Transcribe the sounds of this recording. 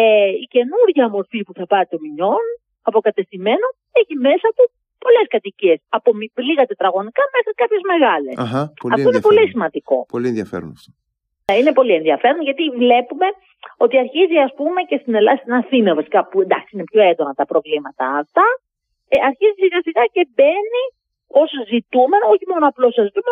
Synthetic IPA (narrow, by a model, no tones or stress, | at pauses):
eice̞nuɾʝɐmo̞ɾfipuθɐpɐɾit̪o̞miɲo̞n | ɐpo̞kɐt̪e̞stime̞no | eçime̞sɐt̪u | po̞le̞skɐt̪icie̞sɐpo̞mivliɣɐt̪e̞t̪ɾɐɣo̞nikɐme̞xɾikɐpçe̞zme̞ɣɐle̞̰sɐfoinepo̞lisimɐnd̪iko̞polienðjɐfḛɾo̰n | ine̞po̞lie̞nðiɐfe̞ɾond̪oʝɐt̪ivle̞pume̞ | o̞t̪iɐɾçiziɐspume̞ce̞st̪inelɐst̪inɐθinɐvɐsi̥kɐpuend̪ɐksiinepço̞ed̪o̞nɐt̪ɐpɾo̞vlimɐt̪ɐ̰ːft̪ɐ | ɐɾçizisiɣɐsiɣɐce̞be̞ni | o̞szit̪ume̞noo̞çimo̞noɐplosɐzit̪ume